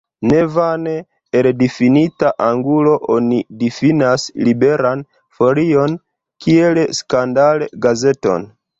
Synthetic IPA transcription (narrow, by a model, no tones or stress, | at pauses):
ne̞vane | eldifinitaʔaŋɡulo̞ʔonidifinaslibe̞ɾan | fo̞lio̞n | kʰie̞lskandaleɡaze̞to̞̰n